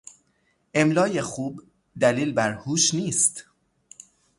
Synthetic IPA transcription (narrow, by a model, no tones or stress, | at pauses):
ʔe̞mlɒːje̞xuːb | d̪æliːlbæɾhuːʃniːst̪